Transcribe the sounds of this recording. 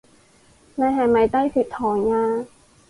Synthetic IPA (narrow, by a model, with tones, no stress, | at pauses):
na˧˩ɦɛ˨˧˩ma˨˩jt̪a˥˨jsi˨˩t̪ʰːɔː˨˩˦ŋaː˧